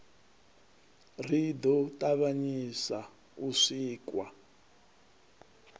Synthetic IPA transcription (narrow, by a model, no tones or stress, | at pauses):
rid̪ɔtʼaβaɲisa | uʂiːkwa